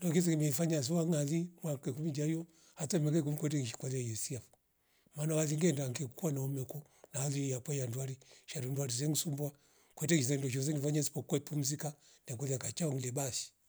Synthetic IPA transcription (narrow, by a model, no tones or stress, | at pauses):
ndɔkizɛkimɛifaɲas̬iwaŋaðimwakakumid͡ʒajɔ | hatamɛkakumikwɛt̬ɛŋiʃi̥kalajɛsiafu | manawaðiŋɡɛndaŋkɛkukuanaɔmɛkɔ | naalijakwajandwaɾiʃaɾundwaɾizɛŋ̩sumbwa | kwɛtɛizɛndɔʃ̬ɔs̬ɛnifaɲasi̥pɔkwɛpum̩zika | nɛkɔðiakat͡ʃaɔŋ̩ilɛbaʃi̥